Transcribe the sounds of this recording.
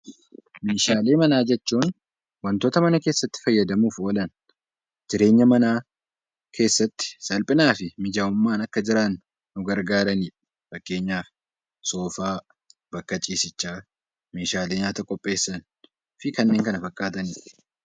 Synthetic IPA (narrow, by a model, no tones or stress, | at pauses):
meːʃaːle̞ːmɐnaːd͡ʒɛt͡ʃːuːn | wɐnt̪o̞ːt̪ɐmɐnɐke̞ːsːɐt̪ːɪ̥fɐjːɐd̪ɐmuːfoːlɐn | d͡ʒɪɾe̞ːɲːɐmɐnaː | kʰe̞ːsːɐt̪ːɪ̥sɐlpʼɪnaːfɪmɪd͡ʒaːʊmːaːnɐkːɐd͡ʒɪɾanː | ʊɡɐɾɡaːɾɐniːᶑ | fɐkːe̞ːɲːaːfɪ | so̞ːfaː | bɐkːɐt͡ʃʼiːsɪt͡ʃːaː | me̞ːʃaːle̞ːɲaːt̪ɐkʼɔpʼːe̞ːsːɐn | fɪkɐnːeːŋkɐnɐfɐkʼːaːt̪ɐniːᶑ